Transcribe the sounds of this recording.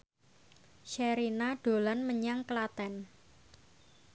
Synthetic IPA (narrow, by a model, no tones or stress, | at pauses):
ʃɛɾinaɖ̥o̤lanməɲaŋklat̪ɛn